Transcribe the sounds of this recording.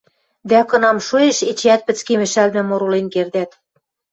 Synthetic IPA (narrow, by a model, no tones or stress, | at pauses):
d̪ækɤ̆nɑmʃueʃet͡ɕæt̪̚pɘ̆t͡skemɘ̆ʃælmɘ̆moɾolenkerd̪æt̪